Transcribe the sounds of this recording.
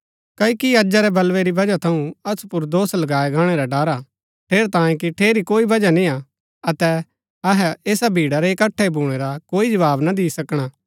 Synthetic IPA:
kɐikiɐd͡ʒaɾɛbɐlʋɛɾibɐd͡ʒat̪ʰɐũɐsu̥pʊɾd̪oːslɐɡaːɛɡaːɽ̃ɛɾaɖaːɾa | ʈʰeːɾt̪ãːẽk̬iʈʰeːɾikoːibɐd͡ʒanĩa | ɐt̪ɛ | ɐɦɛeːsabʱiːɽaɾɛɪkɐʈʰːɛbʱũɽ̃eɾakoːid͡ʒɐʋaːbnad̪ɪːsɐkɽ̃aː

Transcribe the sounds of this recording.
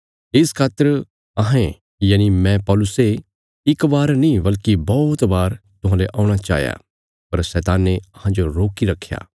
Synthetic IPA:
ɪskʰaːt̪ːəɾ | ɐɦẽ | jaːnimɛ̃pɔːlʊse | ɪkbaːɾnĩbɐlkibɔːt̪baːɾt̪ʊɦãːleʔãːʊɽ̃at͡ʃa̰ːɦja̰ | pɐɾsɛːt̪aːnːeɐɦãd͡ʒoɾoːkiɾɐkʰːja̰ː

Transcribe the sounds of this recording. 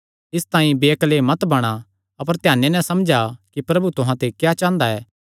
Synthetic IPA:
ɪst̪ãːĩbeːklemɐt̪bɐɽ̃a | ɐpəɾt̪ɪjaːnːenɛ̃sɐmd͡ʒakipɾɐbut̪ʊɦãt̪ekjat͡ʃãːnd̪aɛː

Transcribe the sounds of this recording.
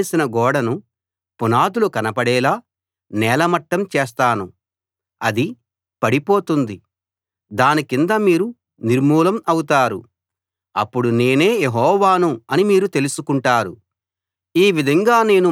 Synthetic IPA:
sinɐɡɔːɽɐnu | punaːd̪ulukɐnɐpɐɽɛːlaː | nɛːlɐmɐʈːɐmt͡ʃɛːst̪aːnu | ɐd̪i | pɐɽipo̞ːt̪und̪i | d̪aːnikind̪amiːɾu | niɾmuːlɐmɐwut̪aːɾu | ɐ̰pːuɽune̞ːne̞ːjeɦɔːʋaːnuɐnimiːɾut̪e̞lusukuɳʈaːɾṵ | iːʋid̪ʱɐŋɡaːne̞ːnu

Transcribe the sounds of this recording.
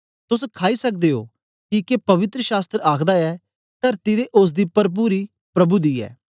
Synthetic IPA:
t̪ʊskʰaːisɐk̚d̪eːɦo̰ː | kikepɐʋɪt̪ɾəʃaːst̪ɾəaːkʰd̪aɛː | t̪ɐɾt̪id̪eʔʊs̬d̪iːpɐɾp̬uːɾi | pɾɐbud̪iːɛ̰ː

